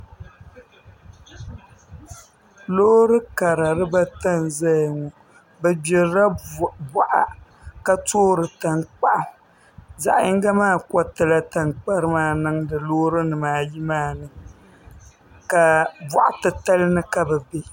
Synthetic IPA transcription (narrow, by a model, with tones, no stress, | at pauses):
loː˦ɾɨ˦ka˨ɾa˨ɾɨ˦ba˦ta˦nza˦jŋɔ˨ | bɛ˨bɛ˨ɾɾa˦bɔ˨ʔa̰˨ | ka˦toː˦ɾɨ˨ta˨ŋk͡pa˦ʔ | za̰˨ʔɪ˦ŋ˦ɡa˦maː˦˨kɔ˦tɨ˨la˦ta˨ŋk͡pa˦ɾɨ˦maː˦˨nɨ˦ŋdɨ˨lo˦ɾɨ˦nɨ˨maː˨ji˦maː˦˨nɨ˦ŋ | ka˨bɔ˨ʔa̰˨tɨ˨ta˦lɨ˦nɨ˦ka˨bɛ˨be˦